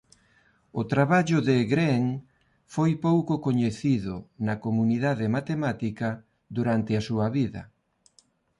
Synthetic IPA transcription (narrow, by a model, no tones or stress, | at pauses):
ʊt̪ɾaβaʎʊðeɣɾɛŋ | fojpowkʊkoɲeθiðʊnɐkomuniðaðɪmat̪emat̪ikɐ | d̪uɾant̪ɪasuɐβiðɐ̰